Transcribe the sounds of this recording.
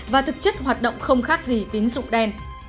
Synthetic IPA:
vaː˨˩t̪ʰɨ˨˩k̚t͡ɕɨ˦˥k̚ɦwaː˨˩t̚ɗə̰˧˨wŋ͡mxə˧wŋ͡mxaː˦˥k̚zi˨˩t̪i˨˦əŋzʊ̰˧˨ŋ͡mɗɛ˧n

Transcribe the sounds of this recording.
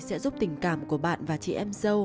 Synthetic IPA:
sɛ̰˧˥zu˦˥p̚t̪ï˨˩ŋ̟kaː˧˩mku˧˩əɓa̰ː˧˨nvaː˨˩t͡ɕḭ˧˨ʔɛ˧mzə˧w

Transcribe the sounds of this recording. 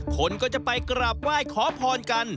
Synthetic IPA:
kʰo˧nkɔː˥˩t͡ɕa˨˩pa˧jkɾa˨˩p̚waː˥˩jkʰɔː˩˦pʰɔː˧nka˧n

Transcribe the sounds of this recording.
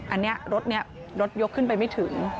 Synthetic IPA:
ʔa˧nːi˦˥ɐɾo˦˥t̪̚ni˦˥ɐ | ɾo˦˥t̪̚jo˦˥kʰːɯ˥˩npa˧jma˥˩jt̪ʰɯ˩˦ŋ

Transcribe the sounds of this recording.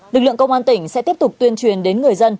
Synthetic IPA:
lɨ˨˩k̚lɨ̰˧˨əkə˧wŋ͡mʔaː˧nt̪ï˧˩ŋ̟sɛ̰˧˥t̪i˦˥əp̚t̪ʊ˨˩k͡p̚t̪wi˧ənt͡ɕwi˨˩ənɗe˨˦nŋɨ˨˩əjzə˧n

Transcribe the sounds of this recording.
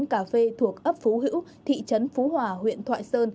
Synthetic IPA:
nkaː˧˩fe˧t̪ʰu˨˩ək̚ʔə˦˥p̚fu˨˦ɦɨ̰˧˥wt̪ʰḭ˧˨t͡ɕə˨˦nfu˨˦hwaː˨˩ɦwḭ˧˨ənt̪ʰwa̰ː˧˨jsəː˧n

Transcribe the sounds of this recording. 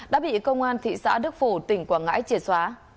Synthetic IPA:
ɗa̰ː˧˥ɓḭ˧˨kə˧wŋ͡mʔaː˧nt̪ʰḭ˧˨sa̰ː˧˥ɗɨ˦˥k̚fo˧˩t̪ï˨˩ŋ̟kwaː˧˩ŋa̰ː˧˥jt͡ɕi˧˩ənswaː˨˦

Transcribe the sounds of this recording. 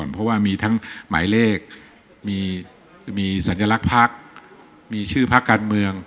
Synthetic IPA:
npʰɔ˦˥waː˥˩miː˧t̪ʰa˦˥ŋma̰ː˩˦jleː˥˩k̚ | miː˧ | miː˧sa˩˦nja˧la˦˥k̚pʰa˦˥˩k̚ | miː˧t͡ɕʰɯː˥˩pʰa˦˥kːaː˧nmɯ˧əŋ

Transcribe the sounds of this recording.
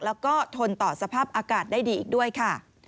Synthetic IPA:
lɛː˦˥wkɔː˥˩t̪ʰo˧nt̪ɔː˨˩sa˧pʰaː˥˩p̚ʔaː˧kaː˨˩t̪̚daː˥˩jdiː˧ʔiː˨˩k̚du˥˩əjkʰa˥˩

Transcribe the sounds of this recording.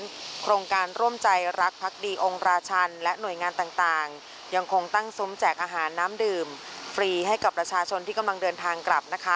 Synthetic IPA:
nkʰɾoː˧ŋkaː˧nɾu˥˩əmt͡ɕa˧jɾa˦˥k̚pʰːa˦˥k̚diː˧ʔo˧ŋɾaː˧t͡ɕʰa˧nlɛ˦˥nu˨˩əjŋaː˧nt̪aː˨˩ŋt̪aː˨˩ŋ | ja˧ŋkʰo˧ŋt̪a˥˩ŋsu˦˥mt͡ɕɛː˨˩k̚ʔaː˧ɦaː˩˦nːaː˦˥mdɯː˧˩m | fɾiː˧ɦa˥˩jka˨˩pːɾa˧t͡ɕʰaː˧t͡ɕʰo˧nt̪ʰiː˥˩ka˧mla˧ŋdɤː˧nt̪ʰaː˧ŋkla˨˩p̚na˦˥kʰa˦˥

